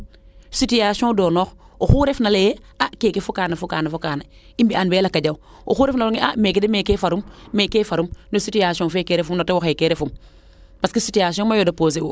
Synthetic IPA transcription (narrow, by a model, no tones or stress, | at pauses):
sitijasiõdoːnoːxoxuɾefnaleje | akeːkefukaːnafukaːnafukaːna | imbiʔanbeːlakaɟaw | o̰xuːɾefnaluŋeʔameːkedemeːkefaɾumːekefaɾumnositijasiõfekeɾefumnotewoxekeɾefum | paskisitiasiõmajoːdapoːs̬eu